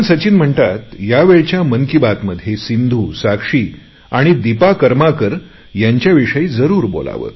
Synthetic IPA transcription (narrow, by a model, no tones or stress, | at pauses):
ɳsət͡ɕiːnm̤əɳt̪at̪jaʋeɭt͡ɕjaməŋkibat̪məd̪ʱjesind̪ʱuːsakʂiː | aɽ̃id̪ipakəɾmakəɾ | jaɲt͡ɕjaʋiʂəiːd͡zəɾuːɾbo̰la̰ʋə̰ː